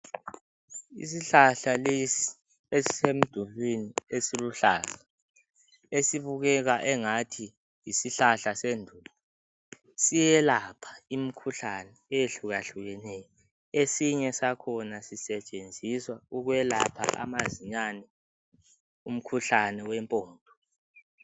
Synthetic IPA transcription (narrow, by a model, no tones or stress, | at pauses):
ḭs̬iɬaɬalesi̥ | esi̥sem̩d̥ʱuvwiniesiluɬaːz̥a | esiβuɣɛɣaʔɛŋatʰi | jisiɬaɬasendʱuːla | sijɛlapʰḁim̩kʰuɬanɛːjeɬuɣaɬuɣɛnɛjɔ | esiɲɛsakʰɔnasisɛt͡ʃʼend͡zʱiswauɣwɛla̰pʰa̰ʔa̰maziɲanɛ | um̩kʰuɬanɛwɛmpʼɔːnd̥ʱɔ